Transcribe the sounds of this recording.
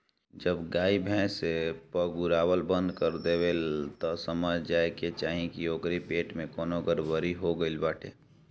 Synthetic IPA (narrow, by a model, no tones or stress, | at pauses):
d͡ʒəbɡaːibʱɛ̃ːsepəɡuɾaːwəlbə̃nd̪kəɾd̪eʋelt̪ɔsəməd͡ʒd͡ʒaːeket͡ʃaːɦĩkioːkɾipeːʈmẽkoːnoɡəɾʋəɾiɦoɡəilbaːʈʰḛː